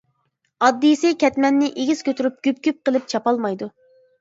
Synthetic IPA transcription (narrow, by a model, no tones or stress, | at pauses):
ɑd̪ːisɪkʲʰɛt̪mɛnːɪʔeɡʲiz̥kʲʰøt̪yɾyp̚ɡ̥ʲypkʲyp̚qəlˠɨp̚t͡ʃʰɑpɑlˠmɑjd̪u